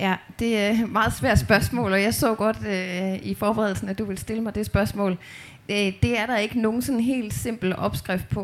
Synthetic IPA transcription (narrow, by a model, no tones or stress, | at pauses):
jæd̥e̝mɑ̈ːð̞̩ˠsʋæɐ̰d̥sb̥ɶɐsmɔ̰̽ːlɒjɑ̈ɪsɔ̰̽ːɡ̥ɒ̽d̥ifɒːb̥eʁɛðˠl̩sn̩æd̥uʋe̝lsd̥e̝ləmɑ̈ɪd̥e̝sb̥ɶɐsmɔ̰̽ːl | d̥e̝æɐɾɑ̈e̝ɡ̥əno̝ːn̩sɒ̽nɦe̝̰ːld̥se̝m̰b̥l̩ʔɒ̽b̥sɡ̥ʁafd̥̚pʰɒ̽